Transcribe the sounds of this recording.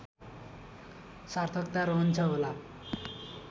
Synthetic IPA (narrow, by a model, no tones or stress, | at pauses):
saɾt̪ʰʌkt̪aɾɔɦnt͡ɕʰʌɦola